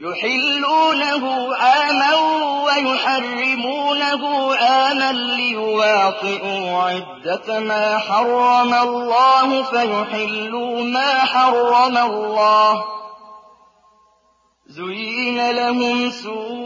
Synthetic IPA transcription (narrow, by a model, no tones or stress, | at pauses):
jʊħɪlːuːnaɦʊʔaːmaɾuwajʊħɑrˤːɪmuːnaɦʊʔaːmanlɪjʊwɑːt̪ˤɨʔuːʕɪd̪ːamaːħɑrˤːɑmalːɑːɦʊfajʊħɪlːuːmaːħɑrˤːɑmalːɑːh | zʊjnalaɦʊmsuː